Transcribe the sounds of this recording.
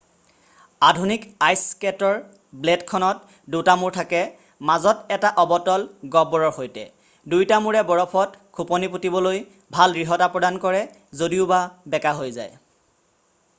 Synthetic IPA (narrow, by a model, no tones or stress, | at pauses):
adʱunikajskɛtɔɹ | bledkʰɔnɔt | dutamuɹtʰakɛ | mazɔtɛtaʔɔbɔtɔlɡɔbɔɹɔɹxojtɛ̰ | dujtamuɹɛbɔɹɔpʰɔtkʰupɔniputibɔloj | bʱalɡɹiɦɔtapɹɔdankɔɹɛ | zodiʊbabɛkaɦojzaj